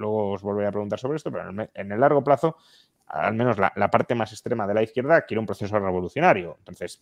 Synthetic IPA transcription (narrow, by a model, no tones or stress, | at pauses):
lwe̞ɣoːzβo̞lβeeapɾe̞ɣunt̪aɾsoɾeest̪o̞pe̞ɾomene̞lːaɾɣ̞o̞plaθo | a̰lmẽno̞zla̰lapaɾt̪e̞mase̞st̪ɾe̞maðe̞laiθkje̞ɾðakjeɾeumpɾoθe̞sore̞β̞o̞luθjo̞naɾjoent̪onθe̞s